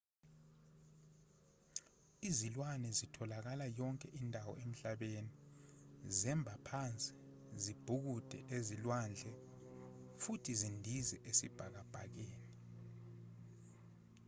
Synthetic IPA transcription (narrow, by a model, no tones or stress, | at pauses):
izilwanɛzitʰɔlak̬alajɔŋkʼɛʔindʱawɔ̰em̩ɬaɓeni | zɛmbʱapʰant͡sʼi̥ | zib̥ʱuk̬ud̥ʱɛ̰ʔezilwand͡ɮʱɛ | futʰizindʱizɛʔesib̥ʱak̬ab̥ʱak̬eːni